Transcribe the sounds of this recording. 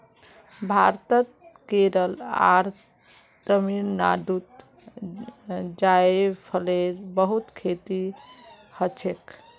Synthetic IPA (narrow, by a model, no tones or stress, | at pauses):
bʱaɾt̪ət̪̚keɾəla̰ɾ | t̪əminna̰ɖut̪ | d͡ʒaepʰəleɾbəɦut̪kʰet̪i | hət͡ʃʰek